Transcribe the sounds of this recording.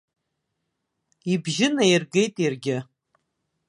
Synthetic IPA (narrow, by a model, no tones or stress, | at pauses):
ibʒɪnajirɡejtʼjarɡʲɪ